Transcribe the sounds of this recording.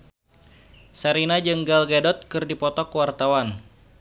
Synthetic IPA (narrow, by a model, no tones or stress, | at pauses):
saɾinad͡ʒəŋɡalɡadɔt̪̚kɨrdipɔt̪ɔkwart̪awan